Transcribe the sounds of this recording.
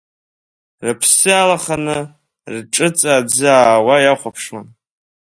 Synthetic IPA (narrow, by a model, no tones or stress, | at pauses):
rɨpʰsɨalaχanɨ | rʈ͡ʂʼɨt͡sʼaːd͡zɨaːwajaχʷapʰʂman